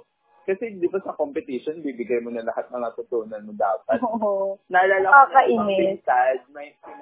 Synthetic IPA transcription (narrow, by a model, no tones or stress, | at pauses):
kɐsɛd̪ɪbasɐkompɪt̪ɪʃonbiːbɪɡɐjmonɐlɐhat̪̚mɐŋat̪ʊt̪uːnɐnmod̪aːpɐt̪oonɐlalɐkɐʔɪnɛɛsadmɐj